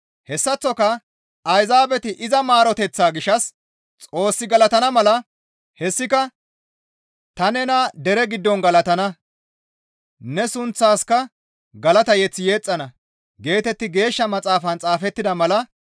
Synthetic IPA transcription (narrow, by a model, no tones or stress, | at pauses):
hɛsːɐt͡sːɔkɐ | ɐjzaːbɛt̪ɪʔɪzɐmaːɾɔt̪ɛt͡sːaːɡɪʃːɐs | t͡sʼo̞ːsːɪɡɐlɐt̪ɐnɐmɐlɐ | hɛsːɪkɐ | t̪ɐnɛnad̪ɛɾɛɡɪd̪ːɔnɡɐlɐt̪ɐnɐ | nɛsʊnt͡sːaːskɐ | ɡɐlɐt̪ɐjɛt͡sːɪje̞ːt͡sʼːɐnɐ | ɡe̞ːt̪ɛt̪ːɪɡe̞ːʃːɐmɐt͡sʼaːfɐnt͡sʼaːfɛt̪ːɪd̪ɐmɐlɐ